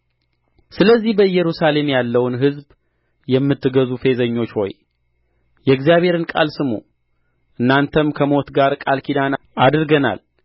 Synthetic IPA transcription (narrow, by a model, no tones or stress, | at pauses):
sɨləzːihbəɨjːɛɾusale̞mjalːəwnɦɨzb | jɛmːɨt̪ːɨɡəzufe̞zəɲːo̞t͡ʃːho̞̰j | jɛɡzijaβhe̞ɾɨnkʼa̰lsɨmṵ | ʔɨnːant̪ʰəmkʰəmo̞t̪ɡaɾkʼalkʰid̪an | ʔad̪ɨɾɡəna̰l